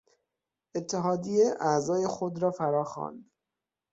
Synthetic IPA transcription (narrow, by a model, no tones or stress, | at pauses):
ʔe̞t̪ʰːeɦɒːd̪ijeʔæzɒːje̞xod̪ɾɒːfæɾɒːxɒ̰ːnd̪